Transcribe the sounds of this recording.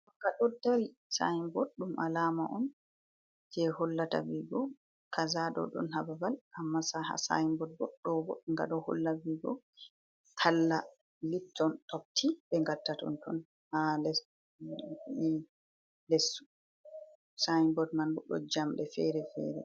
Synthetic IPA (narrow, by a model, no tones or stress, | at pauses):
akaɗɔdaɾi | saimbɔɗːumʔalaːmaʔɔm | d͡ʒɛhɔlːata̰viɡɔ | kʰazaɗɔ̰ɗɔ̰nhababalʔamːasaha̰sa̰jimbɔd̚bɔɗːɔbɔ̰ɗŋɡa̰ɗɔhɔ̰lːaviɡɔ | tʰalːa | litʰːɔntɔp̚tʰibɛŋɡatːatɔ̰ntɔn | halɛ | lɛsːu̥ | sajimbɔdmanbɔɗɔ̰d͡ʒamɗɛfɛɾɛfɛ̰ɾɛ̰